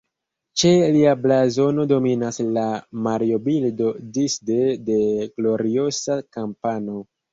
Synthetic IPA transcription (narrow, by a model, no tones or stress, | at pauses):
t͡ʃe̞liablazo̞no̞do̞minaslamaɾio̞bildo̞disdede̞ɡlo̞ɾio̞sakampano̞